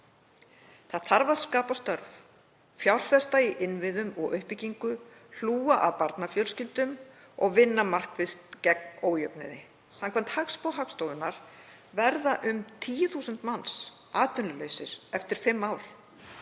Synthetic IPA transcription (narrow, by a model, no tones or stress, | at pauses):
θaðθaɾvaðskaːpast̪œɾv | fjawr̥fɛst̪aiʔɪnvɪðʏmɔɣʏhpɪciŋkʏ | l̥uːaʔa̰ðpaɾt̪nafjœwlscɪlt̪ʏm | ɔɣvɪnːamar̥kvɪðst̪cɛk̚noːwjœpnɪ̰ðɪ | samkʰvɛnt̪hakspowɦakst̪owðʏnːaɾ̥ | vɛɾðaʔʏmt̪ʰiːjʏθusʏnt̪mans | aːt̪ʏnlʏlœɥsɪɾ̥ɛft̪ɪɾ̥fɪmːaːwɾ̥